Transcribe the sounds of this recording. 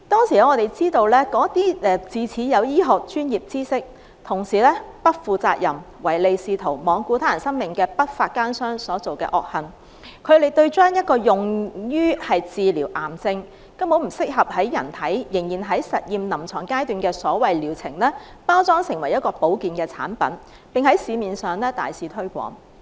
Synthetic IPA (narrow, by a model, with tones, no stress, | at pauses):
t̪ɔː˥ŋsiː˨˩lŋɔː˨˧t̪e˨˩jt͡siː˥t̪o˧wlɛː˥kɔː˨˥t̪iː˥ɛ˨˧t͡siː˨t͡sʰiː˨˥jɐ˨˧wjiː˥ɦʊ˨k̚t͡ʃyː˥njiː˨p̚t͡siː˥sɪ˥k̚ | t̪ʰʊ˨˩ŋsiː˨˩lɛː˥pɐ˥t̚fuː˨t͡sa̰ː˧k̚jɐ˨˩m | wɐ˨˩jle˨˧jsiː˨˧t̪ʰo˨˩wmɔː˨˧ŋku˧t̪ʰaː˨˥jɐ˨˩nsɐ˥ŋmɪ˨˩ŋkɛː˧pɐ˥t̚faː˧t̚kaː˥nsœː˥ŋsɔː˨˥t͡so˨wkɛ̰ː˧ʔɔ̰ː˨˩k̚hɐ˨n | kʰɵ˨˧ɥle˨˧jt̪ɵ˧ɥt͡ʃœː˥ŋjɐ˥t̚kɔː˧jʊ˨ŋjyː˥hɐ˨jt͡siː˨liː˨˩wʔaː˨˩mt͡sɪ˧ŋ | kɐ˥mho˨˥m̩˨˩sɪ˥k̚ɦɐ˨p̚hɐ˨˥jjɐ˨˩nt̪ʰɐ˨˥jjɪ˨˩ŋjiː˨˩nɦɐ˨˥jsɐ˨t̚jiː˨mnɐ˨˩mt͡sʰɔː˨˩ŋkaː˥jt̪yː˨˩nkɛː˧sɔː˨˥wɐ˨jliː˨˩wt͡sʰɪ˨˩ŋlɛː˥paː˥wt͡sɔː˥ŋsɪ˨˩ŋwɐ˨˩jɐ˥t̚kɔː˧po˨˥wkiː˨nkɛː˧t͡sʰa̰ː˨˥npɐ̰˨˥n | pɪ˨ŋhɐ˨˥jsiː˨˧miː˨nsœː˨ŋlɛː˥t̪a̰ː˨jsiː˨˧˥t̪ʰɵ˥ɥkʷɔ̰ː˨˥ŋ